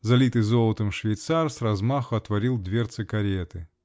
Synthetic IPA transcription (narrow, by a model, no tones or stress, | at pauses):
zɐlʲit̪ɨzolˠət̪ɨmʂvʲɪjt̪sarsrɐzmaxʊɐt̪vɐɾʲilˠd̪vʲert̪sɨkɐɾʲet̪ɨ